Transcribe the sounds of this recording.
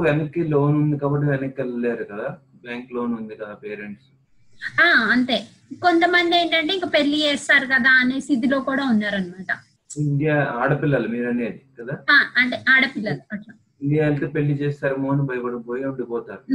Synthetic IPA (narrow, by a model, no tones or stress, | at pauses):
ʋenɐkːiːloːnund̪ikaːbɐʈ̬ːiʋɛnɐkːɐllːeːɾukɐd̪aː | bjaːŋkloːnund̪ikɐd̪aːpeːɾeɳʈs | aːɐnt̪e̞ː | ko̞nt̪ɐmɐnd̪ie̞ːɳʈɐɳʈeːiŋkɐpe̞ɭːit͡ʃɛːst̪aːɾukɐd̪aːɐne̞ːsid̪ilo̞ːkuːɽaːunːaːɾɐnimaːʈɐ | iɳɖijaːaːɽɐpilːɐlumiːɾɐneːd̪ikɐd̪aːaːɐɳʈeːʔaːɽɐpilːɐluɐʈːɐ | iɳɖijaːlt̪oːpe̞lːit͡ʃeːst̪aːɾɐmoːɐnibɐjɐpɐɽɐboːjeuɳɖipɔːt̪aːɾu